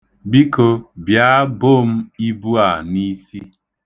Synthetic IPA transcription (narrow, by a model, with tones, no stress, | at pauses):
bi˦ko˨bja˦bo˦˨m̩˦i˦bu˦a˨ni˦si˦